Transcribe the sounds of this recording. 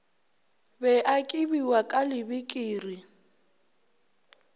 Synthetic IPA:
bɛʔakʼɪbiwakʼalɪbɪkʼiːri

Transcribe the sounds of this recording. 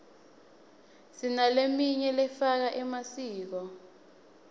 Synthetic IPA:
sinalemiɲɛlɛfak̬aʔɛmasiːk̬ɔ

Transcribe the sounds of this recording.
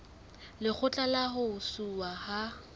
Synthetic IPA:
lɪk͡xʰʊt͡ɬʼalaɦʊsuwaha

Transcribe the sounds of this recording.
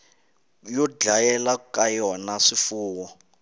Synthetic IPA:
jɔd͡ɮajɛlakʼajiwanaʂifuːwɔ

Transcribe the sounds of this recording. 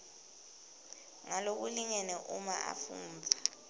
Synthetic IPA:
ŋalok̬uliɲɛnɛʔumaʔa̰fṵːmbʱa

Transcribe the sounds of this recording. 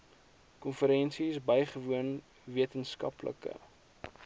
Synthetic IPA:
kɔnfəɾɛnsisbəjχəvuən | viətənskɐ̰plə̰kə̰

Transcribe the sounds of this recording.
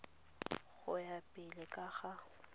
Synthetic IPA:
ɣʊjapʼɪlɪkʼaɣa

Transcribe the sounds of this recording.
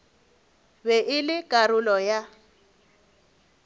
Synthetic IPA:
bɛʔɪlɪkʼaɾʊlɔja

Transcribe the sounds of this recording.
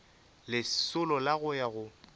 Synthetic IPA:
lɪsʊlɔlaɣʊjaɣʊ

